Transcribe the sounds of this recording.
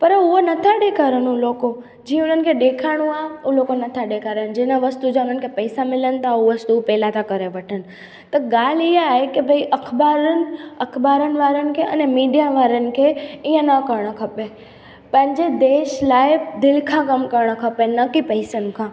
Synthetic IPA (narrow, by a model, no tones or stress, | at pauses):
pəɾʊɦonɐt̪ʰaɗekʰaɾənũloːko | d͡ʒĩːə̃ʊnənɪ̆kʰeɗekʰaɽ̃ũauloːkonɐt̪ʰaɗekʰaɾəñd͡ʑẽːnaʋəst̪ud͡ʒãʊnən̆kʰepɐɪsamɪlənt̪ʰauʋəst̪upɛːlat̪ʰakəɾeʋəʈʰənɪ̆ | t̪ɐɡaːliɦaɦekebʱəiʔɐkʰbaːɾənɐkʰbaːɾənʋaːɾənɪ̆kʰeɐ̰nemiːɖijaʋaːɾənɪ̆kʰeijə̃nəkəɾɳ̃əkʰəpe | pə̃ɦɪ̃ɲd͡ʑed̪eːʃlaːɪbd̪ɪlkʰãkəmkəɾɳ̃əkʰəpenəkipəɪsənɪ̆kʰãː